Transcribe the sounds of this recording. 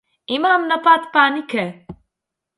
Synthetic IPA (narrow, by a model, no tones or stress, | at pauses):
imamnɐpat̪paːnikʰɛ